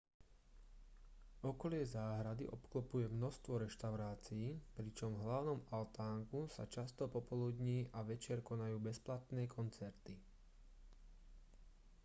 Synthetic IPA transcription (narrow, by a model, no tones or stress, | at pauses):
ɔkɔlɪɛzaːɦɾad̪ḭʔɔpklɔpujɛmnɔst̪ʋɔɾɛʃt̪aʊɾaːt͡siːpɾit͡ʃɔmɦlaʊnɔmalt̪aːŋkusa̰t͡ʃast̪ɔpɔpɔlud̪ɲiːʔaʋɛt͡ʃɪɛɾkɔnajuːbɛsplat̪nɛːkʰɔnt͡sɛɾt̪i